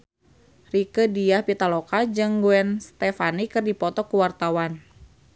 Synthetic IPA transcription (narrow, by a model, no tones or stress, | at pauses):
rikədiahpit̪alokad͡ʒɨŋɡuɛnst̪ɛfanikɨrdipɔt̪ɔkuwart̪awan